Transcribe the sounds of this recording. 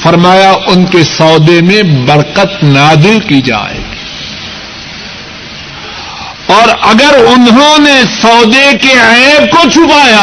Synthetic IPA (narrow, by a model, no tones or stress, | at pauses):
fɐɾmaːjaʔʊnkesɔːd̪emẽbɐɽqət̪naːzɪlkid͡ʒa̰ːḛːɡi | ɔːɾɐɡəɾʊnɦõnesɔːd̪ekeɛ̃ːb̚kot͡ʃʰʊpaːjaː